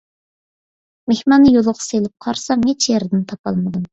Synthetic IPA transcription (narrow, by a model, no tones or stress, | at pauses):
mehmɑnːɨjolˠʊʁɑ̥selɪp̚qʰɑɾsɑmet͡ʃʰjeɾd̪ɪnt̪ʰɑpɑlˠmɨd̪um